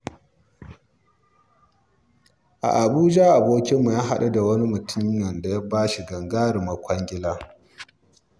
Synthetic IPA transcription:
ʔa̰˨ʔa˨buː˦d͡ʒa˦ʔa˨boː˦kʲɪ˦mːu˨jaː˦ɦa˦ɗu˦da˨wɐ˦ni˦mʊ˨tʰʊ˦ɲjɐ˨nda˨ja˦baː˦ʃi˨ɡɐ˨ŋɡaː˦ɾi˨mɐ˨kʷʰɐ˦ŋɡʲɪ˦laː˦

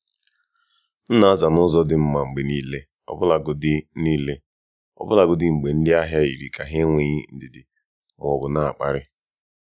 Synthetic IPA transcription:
n̩˦na˨a˦za˨nʊ˦zɔ˦dɪ˨m̩˦ma˨ŋ͡m̩˨ɡ͡be˨niː˦le˦ | ɔ̰˦bʊ˦la˨ɡʊ˨dɪ˦niː˦le˦ | ɔ̰˦bʊ˦la˨ɡʊ˦dɪ˦˨ŋ͡m̩˨ɡ͡be˨n̩˦dɪ˦a˦ɦja˦i˨ɾi˨kʰa˨ɦe˦ŋʷi˦ɣi˦n̩˦dɪ˨dɪ˨ | ŋ˨ɔ˨bʊ˨na˦˨k͡pa˦ɾɪ˦

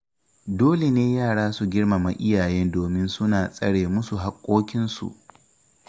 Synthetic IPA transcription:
doː˦le˨neː˦jaː˦˨ɽaː˦su˨ɡʲɪ˦ɽma˨ma˨ʔɪ˦jaː˨jɛ˦ndoː˨mɪ˦nsʊ˦naː˨sʼɐ̰˦ɽeː˨mʊ˦su˨ɦa˦kʷʼːoː˦kʲɪ˦nsṵ˨ʔ

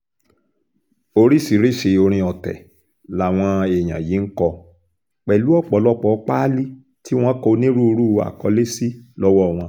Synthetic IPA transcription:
o˧ɾi˦si˨ɾi˦ʃe˧o˧ɾ̃ĩ˧ɔ˨tɛ̰˨ | la˨w̃ɔ̃˧e˨j̃ã̰˨ji˨˦ŋ̩˦kɔ˧ | k͡pɛ˨lu˨˦ɔ˦˨k͡pɔ˨lɔ˦k͡pɔ˨˧˦k͡pa˦li˦ | ti˦w̃ɔ̃˦kɔ˧nĩ˦ɾu˦o˧ɾu˦˧a̰˨kɔ˧˦le˦si˦lɔ˦wɔ˦˨w̃ɔ̃˧

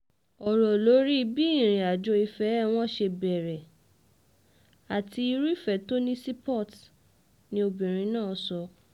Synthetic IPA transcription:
ɔ˨ɾɔ˨lo˨˦ɾi˦˧bi˦i˦˨ɾ̃ĩ˨a˨d͡ʒo˧i˧fɛ˨˦w̃ɔ̃˦ʃe˧bɛ˨ɾɛ˨ | a˨ti˧i˧ɾi˦i˦fɛ˨to˦nĩ˦si˦pɔ˦˨t | nĩ˧o˧bĩ˨ɾ̃ĩ˧nãː˦˨sɔ˧

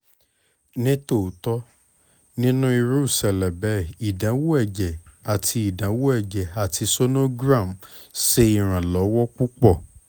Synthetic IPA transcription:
nĩ˦to˦˨tɔ˦ | nĩ˦nũ˦i˧ɾu˦u˦˨sɛ˨lɛ̃˨bɛ˨˦i˨dã˨˦wo˦ɛ˦˨d͡ʒɛ˨a˨tʰi˧˦i˦˨dã˨˦wo˦ɛ˦˨d͡ʒɛ˨a˨tʰi˧so˦no˦ɡɾa˦˨mse˧˦i˦˨ɾ̃ã˨lɔ˨˦wɔ˦ku˦k͡pɔ˦˨

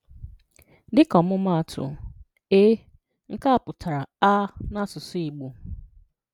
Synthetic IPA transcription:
dɪ˦kɔ˨mʊ˦ma˦a˨tʰʊ̰˨ | eː˦ | ŋ̩˦ka˦a˨pʊ˨tʰa˨ɾa˨a˦na˦sʊ˨sʊ˦i˨ɡ͡bo˨

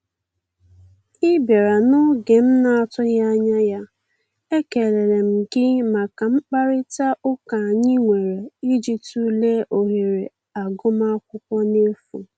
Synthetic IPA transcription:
ɪ˦be˨ɾa˨nʊ˦ɡe˨m̩˦na˨ɔ˦tʊ˦ja˦ɲa˦ja˦ | e˦ke˨le˨ɾe˨m̩˨ɡɪ˦ma˨ka˨ŋ͡m̩˦k͡pa˦ɾɪ˦ta˦ʔʊ˦ka˨a˨ɲɪ˦ŋʷe˨ɾe˨i˦d͡ʒi˨tu˦le˦ʔo˨ɦe˨ɾe˨ | a˨ɡʊ˦ma˦kʷʊ˦pɔ˦ne˦fu˨

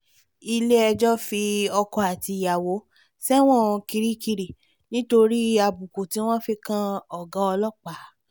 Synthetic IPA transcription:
i˧le˦ɛ˧d͡ʒɔ˦fi˧ɔ˧kɔ˧a˨ti˧˨ja˨wo˨˦ | sɛ˦w̃ɔ̃˦˨˧ki˧ɾi˦ki˧ɾi˨ | nĩ˦to˧ɾi˦a˧bu˨ku˨ti˨˦w̃ɔ̃˦fi˧kã˦ɔ˨ɡã˨˦ɔ˧lɔ˦˨k͡pa˨˦

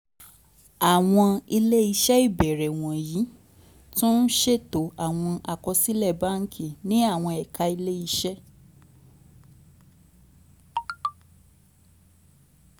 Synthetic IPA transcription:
a˨w̃ɔ̃˧i˧le˦i˧ʃɛ˦i˦˨bɛ˨ɾɛ˨w̃ɔ̃˨ji˨˦ | tũ˦n̩˦ʃe˦˨to˨˦a˨w̃ɔ̃˧ʔa˧˨kɔ˧si˦lɛ˦˨ba˦ŋ̩˦kʰi˦˨nĩ˨˦a˦˨w̃ɔ̃˧ɛ˨ka˧i˧le˦i˧ʃɛ˦

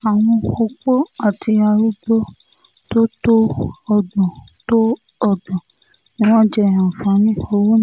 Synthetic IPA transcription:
a˨w̃ɔ̃˧xo˧k͡po˦a˦˨ti˧a˧ɾu˦bo˦ | to˦to˦ɔ˨dɔ̃˨to˦ | ɔ˦˨dɔ̃˨ | nĩ˦w̃ɔ̃˦d͡ʒɛ˦˨ã˨fã˨˦nĩ˦o˧wo˦ñ˦

